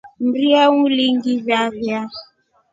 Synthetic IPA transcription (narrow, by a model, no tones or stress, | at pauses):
m̩ɾiawũliŋɡivjavja